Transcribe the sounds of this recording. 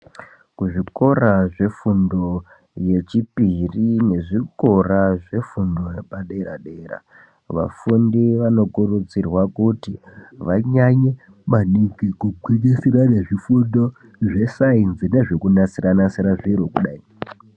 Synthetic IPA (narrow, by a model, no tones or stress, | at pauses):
kuʐiko̞raʐe̞fundo̞ | je̞t͡ʃipirine̞ʐiko̞raʐe̞fundo̞jepaɗeɾa̰ɗeːɾa̰ | ʋa̰fundiʋano̞kurut͡sirwakutiʋaɲaɲe | maniŋɡikuɡʱweɲesirane̞ʐifundo̞ | ʐe̞sainzine̞ʐekunasiranasiɾaʐiɾokuɗaːi